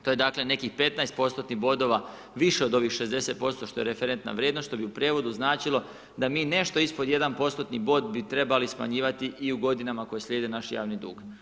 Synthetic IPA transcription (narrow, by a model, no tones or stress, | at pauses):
t̪oje̞d̪akle̞ne̞kixpe̞t̪naest̪̚po̞st̪ot̪niɦbo̞d̪o̞ʋa | ʋiʃeod̪o̞ʋixʃe̞zd̪e̞se̞t̪̚po̞st̪o̞ʃt̪o̞je̞ɾefeɾe̞nt̪na̰ʋɾjeːd̪noʃʃt̪o̞biupɾeːʋo̞d̪uznaːt͡ʃilo̞ | d̪amiːne̞ʃt̪o̞ispo̞d̪je̞d̪anpo̞st̪o̞t̪nibo̞ːd̪bit̪ɾe̞balisma̰ɲiːʋat̪iʔiuɡo̞d̪inamako̞jeslʲjeːd̪enaʃja̰ːʋnid̪ṵːɡ